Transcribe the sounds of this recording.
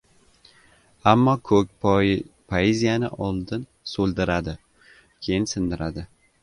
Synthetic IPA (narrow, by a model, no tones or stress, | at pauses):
amːɒkʰɵk̚ʲpʰoezijanɪ̰ʔɒlˠd̪ɪn | solˠd̪ɪɾad̪ɪ | kʲʰejɪnsɪnd̪ɪɾad̪ɪ